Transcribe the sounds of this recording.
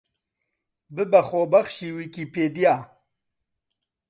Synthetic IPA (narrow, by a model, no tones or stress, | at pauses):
bəbɐχoːbɐχʃiwikipeːd̪jaː